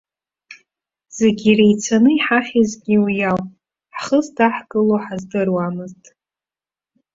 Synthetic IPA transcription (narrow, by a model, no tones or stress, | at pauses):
z̥eɡʲirejt͡sʰanɨiħaχʲizɡʲiwijawʼ | ħχəzdaħkʼɨloħazdɨrwamɨztʼ